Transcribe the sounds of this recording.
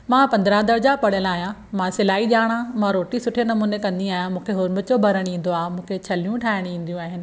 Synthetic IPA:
mãːpɐ̃nd̪əɾãd̪əɾd͡ʑapɐɽ̤əlaːɦijãmãsɪlaːiɗaːɽ̃ãmãɾoːʈisʊʈʰenɐmuːnekɐ̃nd̪iaːɦijãmũːkʰeɦʊɾmə̆t͡ɕobʱɐɾəɽ̃ĩːn̆d̪oaːɦemũːkʰet͡ɕʰɐlijũʈʰaːɦɪɽ̃ĩːn̆d̪ijũaːɦɪnɪ̆

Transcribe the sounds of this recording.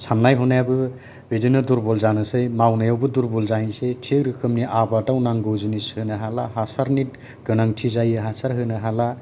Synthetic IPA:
sʰamnajɦɔnajbɯ | bidɯnɯduɾbɔlzanɯsɯjmawnɯjawbɯd̪uɾbɔlzaɦisetʰeɾɯkʰɯmniʔabadawnaŋɡɯwzɯnishɯnɯɦalaɦasaɾnit̚ | ɡ̥ɯnaŋtʰizajɯɦasaɾɦɯnɯɦala

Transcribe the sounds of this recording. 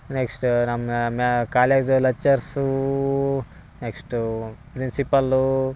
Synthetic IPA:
neksʈnɐmmakaːleɡd͡ʒlɐt͡ʃːɐɾsu | neksʈpɾinsipɐlu

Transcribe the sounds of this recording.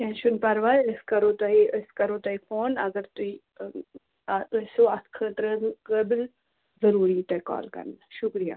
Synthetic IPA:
jẽːnʃunpɐɾʋaəskɐɾoːt̪ɐiəskɐɾoːt̪ɐifʰoːnɐɡɐɾt̪ui | əsoːɐt̪ʰkʰəːt̪ɾənkəːbɪl | zɐɾuːɾiːt̪ɐkɔ̰ːlkɐ̰ɾnəʃʊkɾija̰ː

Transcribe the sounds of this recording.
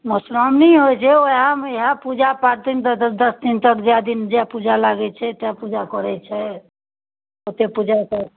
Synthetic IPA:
mɔsɾɔmniɦojt͡ʃʰɛoɦãmeɦapud͡ʒapaɾt̪int̪əd̪əsd̪int̪əkd͡ʒjad̪ind͡ʒeapud͡ʒalaɡɛt͡ʃʰɛt̪eapud͡ʒakɔɾɛt͡ʃʰɛ | ot̪epud͡ʒakə

